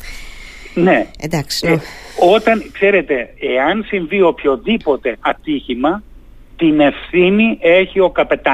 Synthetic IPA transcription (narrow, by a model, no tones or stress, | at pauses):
ne̞d̪ɐks | o̞t̪ɐnkse̞ɾe̞t̪e̞eɐnsiɱvio̞pço̞ðipo̞t̪e̞ʔɐt̪içimɐ | t̪ine̞fθinie̞çio̞kɐpe̞t̪ɐ